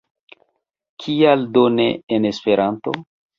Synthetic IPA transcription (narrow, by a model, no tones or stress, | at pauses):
kʰialdoneːnespe̞ɾʔanto̞̰